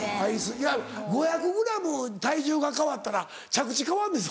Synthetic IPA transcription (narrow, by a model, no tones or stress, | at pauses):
aisɨjaɡo̞jakɯ̟ɡɯ̟ɾamot̪aiʑoːɡakaβat̪ːaɾa | t͡ɕakɯ̟̥t͡ɕikaβãnd̪es̬